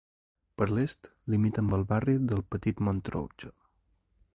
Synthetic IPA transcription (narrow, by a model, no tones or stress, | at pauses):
pəɾlest̪limit̪əmbəlˠβariðəlˠpət̪it̪mont̪ɾo̰wt͡ʃə